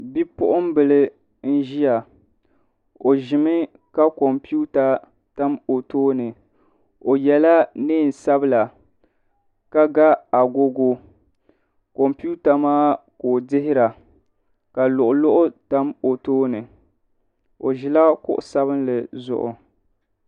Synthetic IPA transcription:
bi˦pʊ˦ʔʊ˦m˦bɨ˨lɨ˦ | n̩˦ʒi˦ja˨ | o˨ʒɪ˨mɨ˦ | ka˦ko˨mpi˦u˦ta˨ | ta˦mo˨toː˦nɨ˨ | o˨jɛ˨la˦neː˦˨n̩˨sa˦bɨ˦la˨ | ka˦ɡa˦a˨ɡo˦ɡo˦ | ko˨mpu˦ta˨maː˦ko˨dɪ˦ɦɪ˦ɾa˨ | ka˨lʊ˨ʔʊ˨lʊ˦ʔʊ˦ta˦mo˨toː˦nɨ˨ | o˨ʒɪ˦la˦kʊ̰˦ʔʊ˨sa˦βɨ˦nlɨ˨zʊ̰˨ʔʊ̰˨

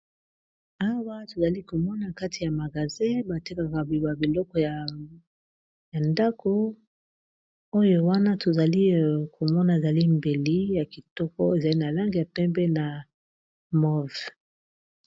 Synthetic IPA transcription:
a˦wa˦to˨za˨li˦ko˨mɔ˦na˨ka˦tʰi˨ja˨ma˨ɡa˨zɛ̃˦ba˨ti˦ka˨ka˨ba˨bi˨lɔ˦kɔ˨ja˨ | ja˨nda˦ko˦ | o˦jo˦wa˦na˦tʰo˨za˨li˦˨kʰo˨mɔ˦na˨e˨za˨li˦mbe˨li˦ja˨ki˨tɔ˦kɔ˦e˨za˨li˦na˨la˦ŋɡi˨a˨pɛ˦be˦na˨ | mɔ˦˨v

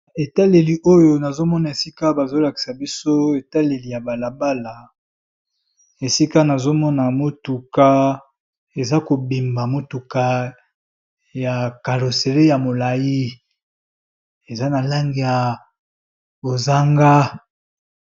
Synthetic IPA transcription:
e˨ta˦le˨li˨ʔo˦jo˨na˨zo˦mɔ˦na˨e˨si˦ka˦ba˨zo˦la˨ki̥˨sa˨bi˦so˦e˨ta˦le˨li˨ja˨ba˨la˨ba˦la˨ | e˨si˦ka˦na˨zo˦mɔ˦na˨mo˦tu˨ka˦ | e˨za˦ko˨bi˨mba˨mo˨tu˨ka˦ | ja˨ka˨lo˨se˨le˦ja˨mo˨la˨ji˦ | e˨za˦na˨la˦ŋɡi˨ja˨ | bo˨za˦ŋɡa˦

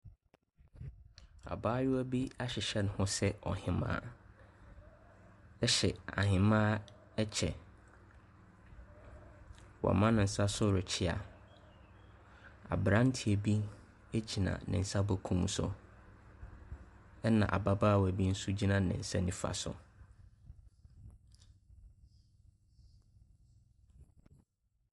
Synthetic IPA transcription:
a̰˨baː˦jʊ˦æ˦bi˦a˦ɕɪ˨ɕɛ˦n˨hʊ̃˦sɛ˦ɔ˨hɪ̃˨mã̰˨˦˨ | ɛ˦ɕɛ˨a̰˨ɦɪ̃˨mãː˦ | ɛ˦t͡ɕʰɛ˨ | wɔ̰˨mã˦nɪ̃˨n̩˨sa˦sʊ˦ɾɪ˨t͡ɕʰɪ˦a̰˨ | a̰˨bɾã˦n̩˦tʰi˨ɛ˨bi˦ | e˦t͡ɕʰi˨nã̰˨nɪ̰̃˨n̩˨sa˦bo˦kʰũ˦m˦sʊ̰˨ | ɛ˦nã̰˨ʔa̰˨ba˦baː˦˨wæ˨bi˦n̩˦su˦d͡ʑi˦nã˦nɪ̰̃˨n̩˨sa˦nĩ˦fa̰˨sʊ̰˨

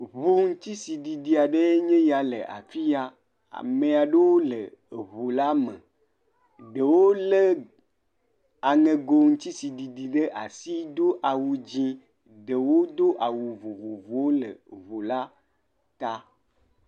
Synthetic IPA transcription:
βo˦ŋ̩˦t̪i˦si˨ɖi˨di˨a˨ɖe˦ɲẽ˦ja˨lḛ˨ʔa̰˨fi˦a˦ | a̰˨me˨a˨ɖe˦wo˦lḛ˨βo˨la˦me˨ | ɖe˨wo˦le˦ | a˨ŋẽ˨ɡo˨ŋ̩˦t̪i˦si˨ɖi˨di˨ɖe˦ʔa˨si˦d̪o˦ʔa˨wu˨d͡ʑĩ˦ | ɖe˨wo˦d̪o˦ʔa˨wu˨vo˨vo˨vo˨wo˦lə̰˨βo˨la˦ | t̪a˦

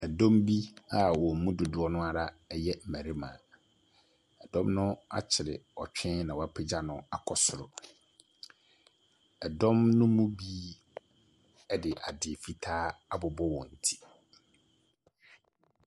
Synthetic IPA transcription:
ɛ˨dɔ̃˦mbi˦a˨wɔ˨m̩˨mũ˦dʊ˨dʊ˦ɔ˦nʊ̃˦a˨ɾa˦ɛ˦jɛ˦m̩˨mæ˨ɾe˦mã̰˨ | ɛ˨dɔ̃˦mnʊ̃˦a̰˦t͡ɕʰɪ˨ɾɪ̰˨ɔ˨t͡ɕᶣʰɛ̃˦nã˨wɔ˨˦a˦pʰɪ˦d͡ʑa˦nʊ̃˦a̰˨kʰɔ˨sʊ˨ɾʊ̰˨ | ɛ˨dɔ̃˦mnʊ̃˦mũ˦bi˦ | dɪ˨ʔa˨dɪ˨fi˦tʰaː˦a˦bʊ˨bɔ˦wɔ̃˨n̩˨tʰi̥˦

